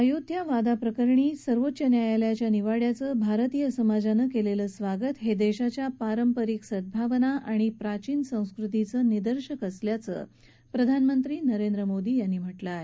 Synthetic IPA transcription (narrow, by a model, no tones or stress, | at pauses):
əjod̪ʱjaʋad̪apɾəkəɾɳiːsəɾʋot̪ːɕjənjajaljat͡ɕjaniʋaɽjat͡səbʱaɾt̪ijəsəmad͡ʑanəkeleləːsʋaɡət̪ɦed̪eɕat͡ɕjapaɾəmpəɾiksəd̪̚bʱaʋənaʔaɽ̃ipɾat͡ɕiːnsə̃w̃skɾut̪̬it͡səːnid̪əɾɕəkəsljat͡sə̰ː | pɾəd̪ʱanmənt̪ɾiːnəɾend̪ɾəmod̪iːjanːiːm̤əʈlaɦe